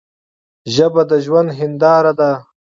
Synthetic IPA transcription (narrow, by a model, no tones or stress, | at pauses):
ʒəbad̪əʒwand̪ɦɪnd̪ɑːɾad̪a